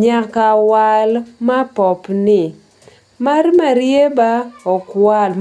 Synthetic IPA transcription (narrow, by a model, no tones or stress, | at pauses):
ɲakawalmapɔpnɪ | marmaɾjebaɔkwal